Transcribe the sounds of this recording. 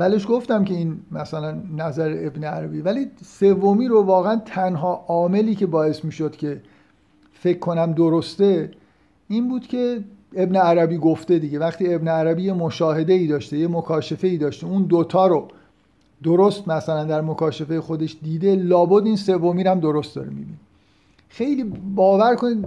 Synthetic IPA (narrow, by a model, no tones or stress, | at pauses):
væle̞ʃɡo̞ft̪æmce̞iːnmæsælænːæzæɾeʔebneæɾæbiːvælise̞vːomiːɾovɒːɣeænt̪ʰænɦɒːʔɒːme̞liːcʰe̞bɒːe̞smiːʃod̪̥cʲʰe̞ | fe̞cʰːo̞næmd̪oɾost̪e̞ | ʔiːnbuːd̪̥cʰe̞ebneæɾæbiːɡoft̪e̞d̪iɟe̞væχt̪iːe̞bneæɾæbiːje̞moʃɒːhe̞d̪eiːd̪ɒːʃt̪ejemokʰɒːʃe̞fe̞iːd̪ɒːʃt̪eund̪ot̪ʰɒːɾo | d̪oɾost̪mæsælænd̪æɾmokʰɒːʃefe̞jexod̪e̞ʃd̪iːd̪e̞lɒːbod̪iːnse̞vːomiːɾæmd̪o̞ɾost̪̚d̪ɒ̰ːɾimḭbḭni | xejliːbɒːvæɾkʰoniːd̪